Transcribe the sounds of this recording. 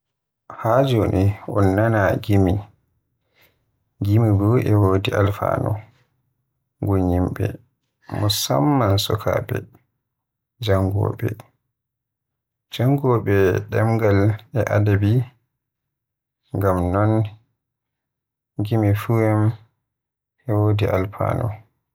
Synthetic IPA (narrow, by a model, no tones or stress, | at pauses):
had͡ʒoniɔnːanaɡimi | ɡimibɔʔɛwoːdialfa̰ːnɔ̰ | ɡoɲimɓɛ̰ | mɔsa̰mːansɔkʰa̰ːbɛ̰ | d͡ʒaŋɡɔ̰ɓɛ | d͡ʒaŋɡɔɓɛɗɛmɡalɛʔadabi | ŋɡamnɔn | ɡimifuɛm | ʔɛwodiʔalfa̰ːnɔ